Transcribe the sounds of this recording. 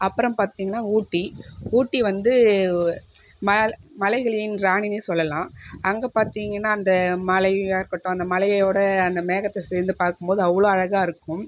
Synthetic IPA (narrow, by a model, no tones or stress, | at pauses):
ɐpːɯɾɐ̃mpaːɾt̪iːŋɡɐnːaːuːʈːiuːʈːiʋɐnd̪ɯ | mɐmɐlɐɪɣɐɭɪjɪnɾaːnɪneːsɔlːɐlãːɐŋɡeːpaːɾt̪iːŋɡɐnːaːɐnd̪ɐmɐlɐɪjaːɾkɐʈːõːɐnd̪ɐmɐlɐjɐjoːɽɐɐnd̪ɐmeːɣɐt̪ːɐseːɾnd̪ɯpaːɾkɯmpoːðɯɐʋːɐɭoːɐɻɐɣaːɪɾɯkːɯ̃m